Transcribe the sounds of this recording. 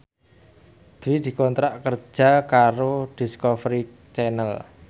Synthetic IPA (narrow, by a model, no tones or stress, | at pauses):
d̪̥wid̪̥i̤kɔnt̪ɾaʔkər̥d͡ʒ̥a̤kaɾod̪̥i̤skɔfɾi | t͡ʃɛnəl